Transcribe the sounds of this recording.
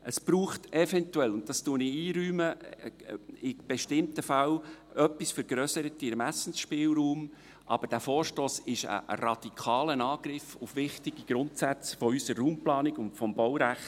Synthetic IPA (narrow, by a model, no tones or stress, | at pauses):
ʔəsb̥ɾuːχtɛvɛntuɛlʊnt̚dɑstuənɪiːɾyːmə | ɪb̥ɛʃtɪmtəfal | œpːisfəɾɡɾœsəɾət̪ːɪɾmæsn̩sʃpɪːlɾuːm | ʔɑ̰b̥əd̥æfoːɾʃtoːsɪʃə̰ə̰ɾɑd̪̥ikʰɑːlənɑːɡ̥ɾɪfʊfʋɪχtiɡ̥iɡ̥ɾʊntsæt͡sfɔysərːuːmplɑːnɪɡʊntfɔmbɔwɾæχt